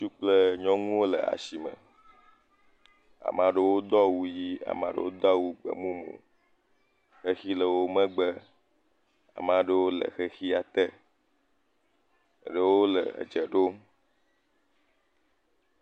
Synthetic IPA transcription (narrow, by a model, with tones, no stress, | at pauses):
t͡ʃu˦k͡plə˦ɲɔ̃˦ŋũ˦wo˦lə̰˨a̰˨si˨mə̰̃˨ | a̰˨mã˨ɖə˦wo˦d̪ɔ˦wu˦ji˦a̰˨mã˨ɖə̰˦wo˦d̪ɔ˦wu˦ɡ͡bə̰˨mũ˦mṵ̃˨ | xe˦xi˦lə˨wo˦mə̃˦ɡ͡bə˦ | a̰˨mã˨ɖə˦wo˦lə̰˨xe˦xi˦a˨t̪ɛ˦˨ | ɖə˦wo˦lə̰˨d͡ʒə˨ɖo˦m